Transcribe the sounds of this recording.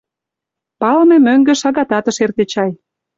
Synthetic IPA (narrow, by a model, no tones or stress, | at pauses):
pɑlmĕmøŋɡĕʃɑɣɑt̪ɑt̪ə̆ʃert̪ĕt͡ɕɑj